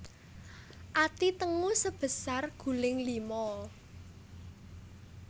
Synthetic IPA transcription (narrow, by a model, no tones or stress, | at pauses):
ʔat̪it̪əŋusəb̥ə̤sarɡ̥ṳlɪŋlimɔ